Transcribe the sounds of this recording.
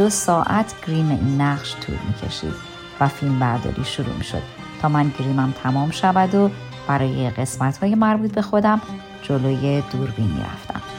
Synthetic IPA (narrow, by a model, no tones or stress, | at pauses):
d̪osɒːʔæt̪ʰɡ̥ɾimḛʔinːæʁʃt̪ʰṵːlmḭːcʰe̞̰ʃḭːd̪̥ | væfilmbæɾd̪ɒ̰ːɾḭːʃuɾṵmḭʃo̰d̪̥ | t̪ʰɒːmænɟɾiːmæmt̪ʰæmɒːmʃævæd̪o | b̥æɾɒːje̞ɢe̞smæt̪hɒːje̞mæɾbuːt̪̚ʰbe̞xo̞d̪æm | d͡ʒoloːje̞d̪uːɾbinḭɾæ̰ft̪æ̰m